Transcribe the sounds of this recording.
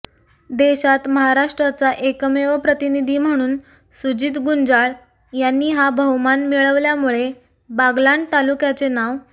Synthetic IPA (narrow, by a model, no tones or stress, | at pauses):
d̪eɕat̪məɦaɾaʂʈɾat͡saʔekəmeʋəpɾət̪inid̪ʱiːm̤əɽ̃uːn | sud͡ʑiːt̪ɡund͡zaɭ | janːiːɦabʱəmanmiɭəʋljamuɭe | baɡlaɳɖt̪alukjat͡senaʋ